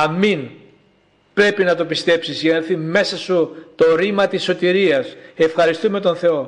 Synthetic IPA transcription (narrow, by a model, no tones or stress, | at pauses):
ɐmin | pɾe̞pinɐt̪o̞pist̪e̞psizʝɐnɐeɾθime̞sɐsut̪o̞ɾimɐt̪isːo̞t̪iɾiɐsefxɐɾist̪ume̞t̪o̞nθe̞o̞